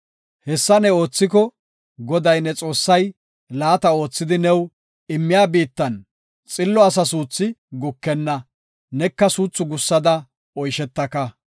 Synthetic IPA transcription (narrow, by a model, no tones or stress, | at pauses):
hɛsːɐnɛo̞ːt͡sːɪkɔ | ɡɔd̪ɐjnɛt͡sʼo̞ːsːɐj | laːt̪ɐo̞ːt͡sːɪd̪ɪnɛw | ɪmːɪjaːbiːt̪ːɐn | t͡sʼɪlːɔɐs̬ɐs̬uːt͡sːɪɡʊkːɛnːɐ | nɛkːɐsuːt͡sːʊɡʊsːɐd̪ɐ | ɔjʃɛt̪ːɐkɐ